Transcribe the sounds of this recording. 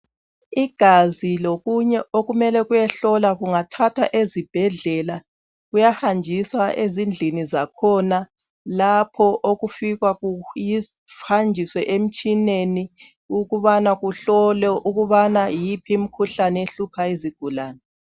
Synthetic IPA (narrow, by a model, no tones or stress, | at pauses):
iɡ̥ʱaziloɣuɲɛoɣumɛlɛɣujɛɬɔlaɣuŋatʰatʰa̰ʔezib̥ʱɛɮɛla | ɣujahand͡ʒʱiswaʔezind͡ɮʱinizakʰɔna | lapʰɔʔoɣufiɣwaɣuji | hand͡ʒʱiswɛʔem̩t͡ʃʼineni | uɣuβanaɣuɬɔlɛʔuɣuβanajipʰim̩kʰuɬanɛeɬupʰaeziɡ̥ʱulaːnɛ